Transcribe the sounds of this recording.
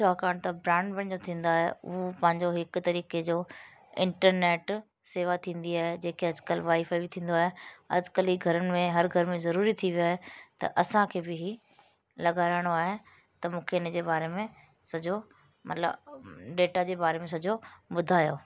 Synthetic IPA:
t͡ɕʰaːkaːɽ̃t̪ɐbɾãːɳɖbɐ̃ɽ̃d͡ʑot̪ʰĩːn̆d̪aːɦḛʊɦopɐ̃ɦɪ̃ɲd͡ʑoɦɪkʊt̪ɐɾiːked͡ʑoː | ɪ̰̃ɳʈəɾneːʈ | seːʋat̪ʰĩːn̆d̪iaːɦed͡ʑeːkeɐd͡ʑkəlʋaːifaːbɪt̪ʰĩːn̆d̪oaːɦeɐ̰d͡ʑɪkəliːɡʱɐɾənɪmẽɦɐɾɡʱɐɾmẽzɐɾuːɾit̪ʰiʋiaːɦet̪ɐ̰ʔɐsãkʰeːbɪɦiː | lɐɡaːɾaːɪɽ̃oaːɦe | t̪ɐmũːkʰeɪnd͡ʑeːbaːɾemẽ | sɐd͡ʑo | mɐ̰t̪lə̰bɖeːʈad͡ʑeːbaːɾemẽs̬ɐd͡ʑʱoɓʊd̪ʱaːjoː

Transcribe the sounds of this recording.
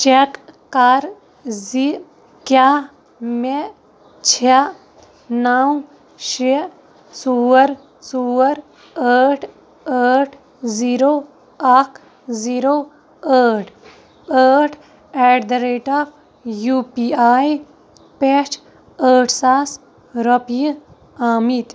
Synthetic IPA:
t͡ʃekː | aɾ | zi | kja | me | t͡ʃʰe | naːũ | ʃe | suəɾ | suəɾ | əːʈʰ | əʈʰ | ziːɾoː | akʰ | ziːɾoː | əːʈʰ | əːʈʰ | eɖd̪ɐɾeːʈaːp | jupiaːj | pet͡ʃ | əːʈʰsaːs | ɾəpji | aːmit̪

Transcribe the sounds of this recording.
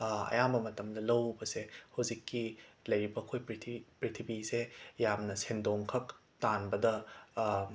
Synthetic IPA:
ɐ̰jambɐmɐtɐmdɐlɐwbɐsehɐwzikːilɐjɾibɐɐkʰojpitʰipɾitʰibisejamnɐsendoŋkʰɐk | tanbɐdɐ

